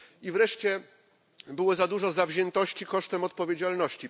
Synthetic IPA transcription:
ivɾɛʂt͡ɕɛ | bɘwɔzad̪uʐɔzavʑɛnt̪ɔɕt͡ɕikɔʂt̪ɛmɔt̪̚pɔvʲjed͡ʑalnɔɕt͡ɕi

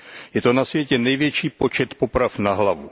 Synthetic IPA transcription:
jɛt̪o̞nasvjɛcɛnɛjvjɛt͡ʃiːpo̞t͡ʃɛt̪po̞pɾafnaɦlavu

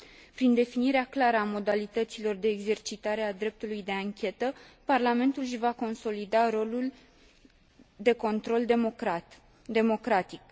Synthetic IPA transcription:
pɾind̪e̞finiɾeaklaɾəamo̞d̪alit̪ət̪silo̞rd̪e̞ːɡze̞rt͡ʃit̪aɾe̞ad̪ɾe̞p̚t̪ulujd̪e̞aŋkʲe̞t̪əparlame̞nt̪ulʃvako̞nso̞lid̪aɾo̞lul | d̪e̞ko̞nt̪ɾo̞ld̪ | d̪e̞mo̞kɾat̪ik

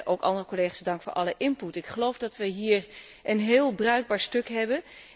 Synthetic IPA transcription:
ʔowkɑ̰ndərəkoleχasdɑŋkfʊːɹʔɑləʔɪnputɪkχəlowvdɑtʋəjɦiːɹ | ʔənɦɪːlˠbrœɥɡ̚baːɹstɵkɦɛbən

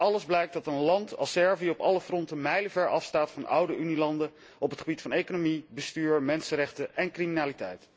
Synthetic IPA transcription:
ɑləzblɛjk̚dɑtənlɑntɑ̰lˠsɛɹviɔpɑləfrɔntəmɛjləvɛɹɑfstaːtfɑnɑ̰wdəʔynilɑndə | ɔpətχəbitfɑnejkonomibəstyːɹmɛnsəɾɛχtəʔɛnkriminaːlitɛ̰jt

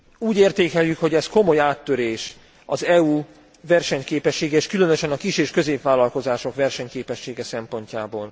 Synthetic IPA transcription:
uːɟeːrt̪eːkɛljːykho̞ɟɛsko̞mo̞jaːt̪ːøɾeːʃ | ɒzɛu | vɛrʃɛɲkeːpɛʃːeːɡɛeːʃkylø̞nøʃɛnɒkiʃeːʃkø̞zeːpʋaːlɒlko̞zaːʃo̞kʋɛrʃɛɲkeːpɛʃːeːɡɛsɛmpo̞ɲcaːboːl

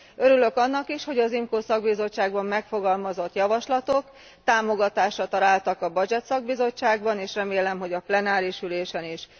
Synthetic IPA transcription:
øɾylø̞kɒnːɒkiʃho̞ɟɒzimkoːsɒɡbizo̞t͡ʃːaːɡbɒmːɛkfo̞ɡɒlmɒzo̞t̪jɒvɒʃlɒt̪o̞k | t̪aːmo̞ɡɒt̪aːʃrɒt̪ɒɾaːlt̪ɒkɒbɒd͡ʒɛt̪sɒɡ̚bizo̞t͡ʃːaːɡbɒneːʃrɛmeːlɛmɦo̞ɟɒplɛnaːɾiʃyleːʃɛniʃ

